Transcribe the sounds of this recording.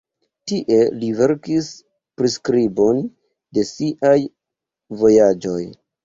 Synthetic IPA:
tiʔe̞live̞ɾkis | pɾiskɾibo̞n | de̞siʔaj | vo̞jad͡ʒo̞j

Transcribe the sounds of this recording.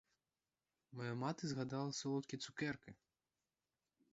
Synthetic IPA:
majamat̪ɨzɣad̪alˠɐsʲɐlˠɔt̪̚kʲit̪sukɛrkɨ

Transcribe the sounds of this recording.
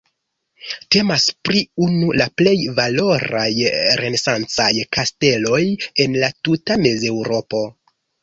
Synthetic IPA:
te̞maspɾiunulaple̞jvalo̞ɾa̰jɾe̞ne̞sant͡sajkaste̞lo̞je̞nlatutame̞ze̞wɾo̞po̞

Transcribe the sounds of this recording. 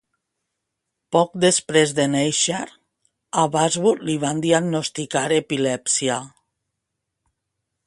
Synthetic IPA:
pɔk̚d̪espɾezd̪enejʃeɾ | aβazβuɾliβand̪iaɡnost̪ikaɾepilɛpsia

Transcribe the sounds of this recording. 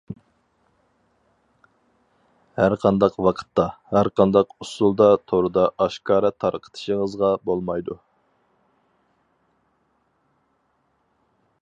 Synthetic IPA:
hæɾqʰɑnd̪ɑqwɑqʰə̥t̪ːɑhæɾqʰɑnd̪ɑqusulˠd̪ɑt̪ʰoɾɨd̪ɑʔɑʃkʰɑːɾɛt̪ʰɑɾqʰə̥t̪ʰɨ̥ʃəŋəzʁɑbolˠmɑjd̪u

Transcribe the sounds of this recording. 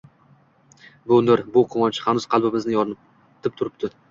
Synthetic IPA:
bʊnd̪ɪɾbʊqʰʊmɒnt͡ʃʰɪ̥hanʊz̥qʰɑlˠbɪbɪznɪjɒɾnɪp | t̪ʰɪp̚t̪ʰʊɾɪp̚t̪ʰɪ

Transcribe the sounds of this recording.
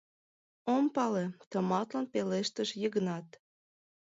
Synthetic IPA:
ompɑlet̪ə̆mɑt̪lɑnpeleʃt̪əʃjəɣnɑt̪

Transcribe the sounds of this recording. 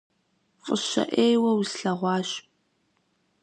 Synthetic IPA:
fʼəɕɐ̰ʔeːjwɐwsɬɐʁʷɑːɕ

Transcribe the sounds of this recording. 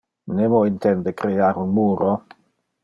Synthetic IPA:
nemoint̪ɛnd̪ekɾeaɾunmuːɾo

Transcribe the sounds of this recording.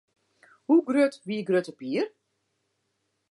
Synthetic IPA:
huɡrøtʋiəɡrøtəpiːər

